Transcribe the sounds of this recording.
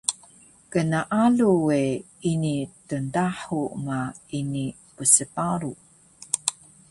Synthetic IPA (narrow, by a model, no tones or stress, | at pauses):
kənaʔaluwe | initəndaħuma | ini | pəsəpaɾu